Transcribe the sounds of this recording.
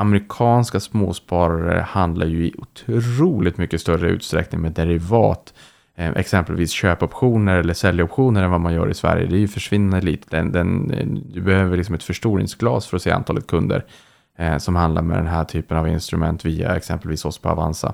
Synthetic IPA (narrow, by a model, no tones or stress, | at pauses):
amɾɪkʰɑːnskasmoːspɑːɾaɾə̰hand̪laɾjɵɪʔʊt̪ʰɾuːlɪɡt̪mʏkːəst̪œɾəʉ̟ːt̪st̪ɾɛ̰knɪŋmɛːd̪ɛɾɪvɑːt̪ | ʔɛ̰ksɛmpəlviːsɕøːpɔpɧuːnəɾɛlːəsɛljɔpɧuːnəɾɛnvamanjœ̰ːɾɪsvæ̰ɾjə̰d̪ɛæɾjɵfœʂvɪnːand̪əlḭːt̪ə̥d̪ɛnd̪ɛnd̪ɛbɛhøːvəɭlɪksɔmɛt̪fœʂʈuːɾɪ̰ŋsɡlɑːsfœɾɔseːa̰nt̪ʰɑːlət̪̚kʰɵnd̪ə̰ɾ | sɔmhand̪a̰ɾmɛ̰d̪ɛ̰nɦæːʈʰyːpənavɪnst̪ɾɵmɛnt̪viːa̰ɛksɛmpəlviːsɔspʰɔa̰va̰nsa̰